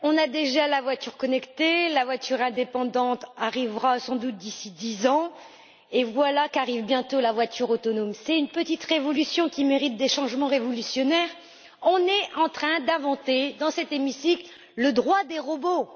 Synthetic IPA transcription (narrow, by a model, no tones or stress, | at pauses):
ɔ̃nad̪eʒalavwat̪yʁkɔnɛkt̪elavwat̪ʰyʁɛ̃d̪epɑ̃d̪ɑ̃t̪aʁivʁasɑ̃d̪ut̪̚d̪isid̪izɑ̃ | evwalakaʁivbjɛ̃t̪olavwat̪ʰyʁot̪ɔnɔmsɛt̪ynpət̪it̪ʁevɔlysjɔ̃kʲimeʁit̪̚d̪eʃɑ̃ʒmɑ̃ʁevɔlysjɔnɛʁ | ɔ̃nɛɑ̃t̪χɛ̃d̪ɛ̃vɑ̃t̪ed̪ɑ̃sɛt̪emisikl | ləd̪ʁwad̪eʁɔbo